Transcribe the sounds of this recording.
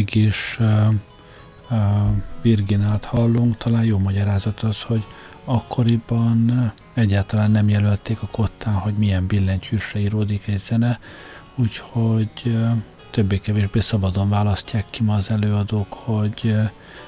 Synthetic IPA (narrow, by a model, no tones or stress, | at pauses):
ɡiʃ | virɡinaːlt̪hɒlːuŋkt̪ʰɒlaːnjoːmɒɟɒɾaːzɒt̪ɒsho̞ɟ | ɒkːo̞ɾibɒn | ɛɟːaːlt̪ɒlaːnːɛmjɛlølt̪eːkɒko̞t̪ːaːnho̞ɟmijɛmbilːɛɲchyʃrɛiːɾoːd̪ikɛɟz̥ɛnɛ | uːcho̞ɟ | t̪øbːeːkɛveːʒbeːsɒbɒd̪onvaːlɒscːaːkːimɒːzɛløːɒd̪oːkho̞ɟ